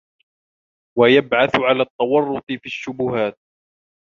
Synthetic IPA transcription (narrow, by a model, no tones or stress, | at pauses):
wajabʕaθʕalaːt̪ˤːɑwɑrˤːʊt̪ˤɨfiːʃːʊbʊhaːt̪̚